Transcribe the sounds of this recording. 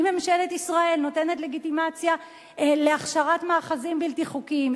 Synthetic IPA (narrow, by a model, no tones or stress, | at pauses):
memʃeletisʁae̞lno̞te̞ne̞tle̞ɡitimat͡sja | leaχʃaʁatmaːχazimbilt̪iχukim